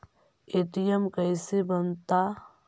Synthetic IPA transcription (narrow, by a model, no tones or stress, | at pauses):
eːʈijəmkəɪsebənt̪a